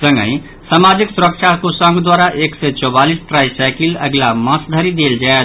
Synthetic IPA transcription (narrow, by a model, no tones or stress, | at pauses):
sə̃ŋɡə̰̃ĩ | saːmad͡ʒɪksʊɾəkʃʰakosə̃ŋɡd̪waːɾaʔekset͡ʃɔːbalisʈɾaːisaɪkiləɡlamə̃sd̪ʱəɾid̪eːld͡ʒae